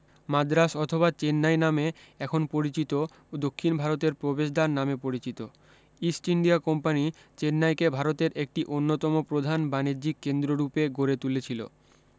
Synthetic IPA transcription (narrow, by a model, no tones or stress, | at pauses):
mad̪ɾaʃɔt̪ʰobat͡ɕenːajnameɛkʰonpoɾit͡ɕit̪o | od̪okʰːinbʱaɾot̪eɾpɾobeʃd̪aɾnamepoɾit͡ɕit̪o | isʈiɳɖiakɔmpanit͡ɕenːajkebʱaɾot̪eɾek̚ʈiʔonːot̪ɔmopɾod̪ʱanbaneɾd͡ʑikːend̪ɾoɾupeɡoɾet̪ulet͡ɕʰilo̰